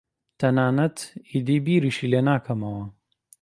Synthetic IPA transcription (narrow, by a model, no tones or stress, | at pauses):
t̪ʰɐnaːnɐt̪id̪iːbiːɾiʃileːnaːkʰɐmɐwɐ